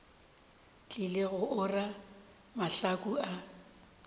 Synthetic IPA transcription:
t͡ɬʼɪleɣʊʔʊra | maɬakʼua

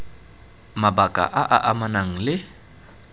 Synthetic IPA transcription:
mabakʼa̰ʔaʔaʔamanaŋ̩lɪ

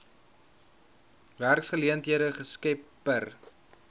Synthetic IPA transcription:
værksχəliəntɦiəɾəχəskɛpː | ər

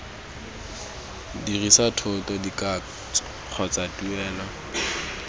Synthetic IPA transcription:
dirisatʰʊtɔdikʼa | q͡χʰɔt͡satuɛːla

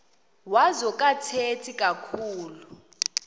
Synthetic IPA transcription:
wazɔkʼatʰetʰikʼakʰuːlu

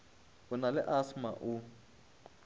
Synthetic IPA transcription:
ʊnalɪʔasmaʔu

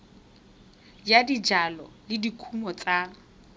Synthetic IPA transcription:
jadid͡ʒalɔlɪdikʰumɔt͡sʼa

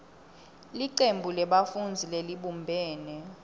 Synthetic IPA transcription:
liǀembʱulɛɓafund͡zʱileliɓumbʱɛːnɛ

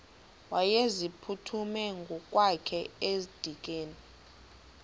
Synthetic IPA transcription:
wajezipʰutʰumɛŋɡʱɔkʼwakʰɛezid̥ʱik̬ʼeːni

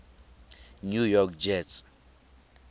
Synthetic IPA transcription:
njujɔkd͡ʒɛt

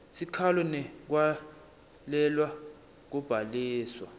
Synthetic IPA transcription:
sikʰalɔnɛk̬wa | lɛlwa | k̬ub̥ʱaliːswa

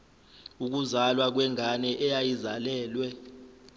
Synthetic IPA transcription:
uk̬uzalwak̬wɛŋʱanɛʔɛjajizalɛːlwɛ

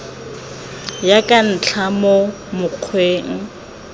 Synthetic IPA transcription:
jakʼan̩t͡ɬʰamo | mʊq͡χʰweːŋ̩

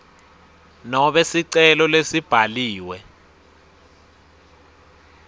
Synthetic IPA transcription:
nɔɓɛsiǀɛlɔlesib̥ʱaliːwɛ

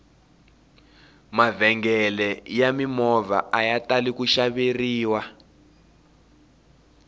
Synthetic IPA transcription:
mavɛŋɡɛlɛjamimɔva̰ʔajatalikuʃaβeriːwa

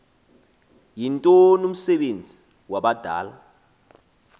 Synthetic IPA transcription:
jintʼɔnum̩sɛɓend͡zʱi | waɓad̥ʱa̰ːla

